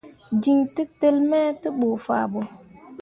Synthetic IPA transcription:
di˨ŋtɨ˦k̚tə˦lmɛː˦tɨ˦ɓo˨fa̰˨bo˨

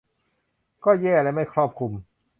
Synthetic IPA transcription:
kɔː˥˩jɛː˥˩lɛː˦˧˥ma˥˩jkʰɾɔː˥˩p̚kʰu˧m

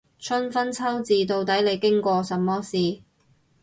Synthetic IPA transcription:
t͡ʃʰɵ˥nfɐ˥nt͡sʰɐ˥wt͡siː˨˧t̪o˧wt̪ɐ˨˥jle˨˧jkɪ˥ŋkʷɔː˧sɐ˨mːɔː˥siː˨

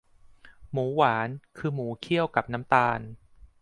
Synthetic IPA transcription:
muː˩˦waː˩˦nkʰɯː˧muː˩˦kʰi˥˩əwka˨˩p̚na˦˥mt̪aː˧n

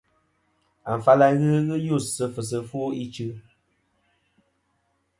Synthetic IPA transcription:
a˨m˨fa˦la˦ɣɨ˦ɣɨ˦ju˦˨sɨ˧fɨ˨s̬ɨ˧fu˦i˦t͡ʃɨ˦

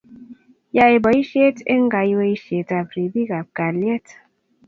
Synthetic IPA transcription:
ja˧e˨bɔ˨i˦ʃe˦te˦ŋ˦ɡa˨i˦we˦i˦ʃe˨ta˨pɾi˨bi˦ka˨p̚ka˨ljɛ˦t

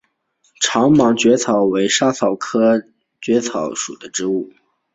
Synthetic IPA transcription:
ʈ͡ʂʰɑ˧˥ŋmɑ˧˥ŋt͡ɕɥɛ˧˥t͡sʰɑ˨˩ʊwe˧˥ɪʂa˥t͡sʰɑ˨˩ʊkʰɤ˥ | t͡ɕɥɛ˧˥t͡sʰɑ˨˧˥ʊʂṵ˨˩d̪ə˦ʈ͡ʂɻ̩˧˥u˥˩

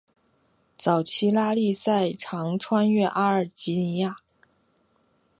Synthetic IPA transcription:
t͡sɑ˨˩ʊt͡ɕʰi˥la˥li˥˧sa˥˩ɪʈ͡ʂʰɑ˧˥ŋʈ͡ʂʰwa˥nɥɛ˥˧ʔa˥ə˞˨˩t͡ɕi˧˥ni˧˥ja˥˩

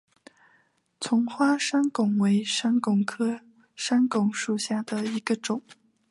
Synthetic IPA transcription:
t͡sʰʊ˧˥ŋxwa˥ʂa˥nkʊ˨˩ŋwe˧˥ɪʂa˥nkʊ˨˩ŋkʰɤ˥ | ʂa˥nkʊ˨˩ŋʂu˥˧ɕja˥˩d̪ə˩i˧˥ɡə˧ʈ͡ʂʊ˨˩˦ŋ

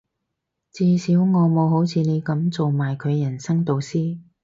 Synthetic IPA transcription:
t͡siː˧siː˨˥wŋɔː˨˧mo˨˧ho˨˥wt͡sʰiː˨˧ne˨˧jkɐ˨˥mt͡so˨wmaː˨˩jkʰɵ˨˧ɥjɐ˨˩nsɐ˥ŋt̪o˨wsiː˥

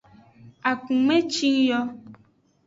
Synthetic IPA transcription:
a˨kũ˨mẽ˦t͡ʃi˦ŋjɔ˦

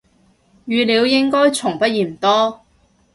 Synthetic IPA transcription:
jyː˨˧liː˨˧wjɪ˥ŋkɔː˥jt͡ʃʰʊ˨˩ŋpɐ˥t̚jiː˨˩m̩˨˩t̪ɔː˥

